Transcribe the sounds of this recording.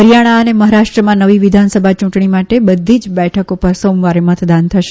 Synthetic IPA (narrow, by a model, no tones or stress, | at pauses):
ɦəɾijaɽ̃aəneməɦaɾaʃʈɾəmãnəʋiʋid̪ʱansəbʱat͡ʃũʈɳimaʈebəd̪ʱːid͡ʒbɛʈʰəkopəɾsomʋaɾemət̪d̪ant̪ʰəʃe